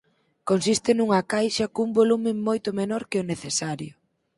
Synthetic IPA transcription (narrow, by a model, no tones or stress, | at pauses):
konsist̪ɪnuŋɐkajʃɐkoumbolumɪmojt̪ʊmenɔɾkɪoneθesaɾjʊ